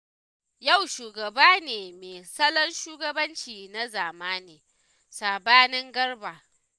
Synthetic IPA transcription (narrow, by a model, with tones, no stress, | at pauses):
ja˦˨wʃuː˨ɡɐ˨baː˦neː˨meː˨sɐ˦lɐ˦nʃuː˦ɡɐ˦bɐ˦nt͡ʃiː˨na˦zaː˨maː˦niː˨ | saː˨baː˦nɪ˦ŋɡɐ˦rbaː˨